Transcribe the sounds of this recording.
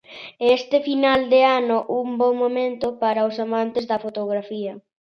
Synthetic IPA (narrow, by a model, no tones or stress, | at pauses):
est̪ɪfinald̪eanʊʔumbɔŋmomẽnt̪ʊpaɾɐʊsamant̪ɪzðɐfot̪oɣɾafiɐ